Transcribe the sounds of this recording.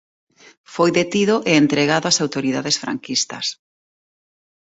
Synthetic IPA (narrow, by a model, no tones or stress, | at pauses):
fojðet̪iðʊʔeːnt̪ɾeɣaðʊasawt̪oɾiðaðesfɾa̰ŋkist̪ɐ̰s